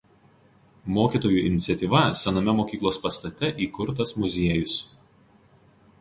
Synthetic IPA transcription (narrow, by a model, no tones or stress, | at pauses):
moːkʲiːˑt̪oːjuːˑʔɪ̰nʲɪt̪sʲɛt̪ʲiːʋɐsʲɛnomʲɛmoːkʲiːklˠoːspɐst̪ɐt̪ʲɛʔiːkʊɾt̪ɐsmʊzʲiɛjʊs